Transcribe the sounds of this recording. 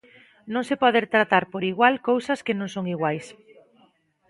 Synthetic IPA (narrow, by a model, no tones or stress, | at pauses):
nõŋsepɔðeɾt̪ɾat̪aɾpoɾiɣwalkowsɐskenõŋsoŋiɣwajs